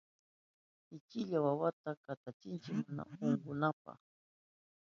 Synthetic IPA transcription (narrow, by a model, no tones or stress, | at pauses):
ɪt͡ʃɪʎawawat̪akat̪at͡ʃɪnt͡ʃɪkmʊna̰oŋɢʊnapa̰χ